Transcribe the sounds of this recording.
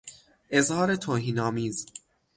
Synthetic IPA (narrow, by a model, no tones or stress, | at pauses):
ʔe̞zhɒːɾe̞t̪ʰoːɦiːnɒːmiːz